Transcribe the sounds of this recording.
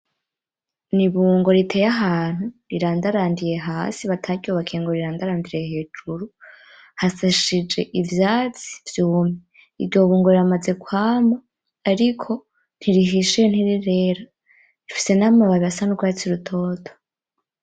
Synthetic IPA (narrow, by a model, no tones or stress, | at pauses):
niβuːŋɡo̞ɾitʰejaɦaːn̥huɾiɾaːndaɾaːndije̞ɦaːsiβatʰaɟioβakʰeːŋɡoɾiɾaːndaɾaːndiɾehe̞ːd͡ʒuɾu | hasaʃid͡ʒe̞̰ʔivjaːt͡si̥vjuːme | iɾɟo̞ːβuːŋɡoɾiamaze̞kwaːmaː | ɾikʰo̞ | n̥hiɾiɦiʃion̥iɾiɾeːɾa | ifi̥se̞namaβaβiasanuɡwaːt͡siɾutʰo̞ːtʰo̥